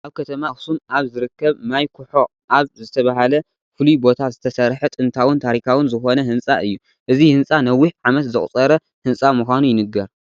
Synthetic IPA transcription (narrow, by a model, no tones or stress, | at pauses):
ʔaβkʰɐt̪ʰɐmaxsunʔaβzɨɾɨkːɐβmajkʰʊħo̞ʔaβzɨt̪ʰɐβaɦalɐ | fɨlujbo̞t̪ʰazɨt̪ʰɐsɐɾħɨt̪ʼɨnt̪ʰawɨnt̪ʰaɾikʰawɨnzɨxo̞nɐhɨnt͡sʼaʔɨjːu | ʔɨzihɨnt͡sʼanɐwːiħʕamɐt̪zɨχʼt͡sʼɐɾɐ | hɨnsʼamuxʷanujɪnɨɡɐɾ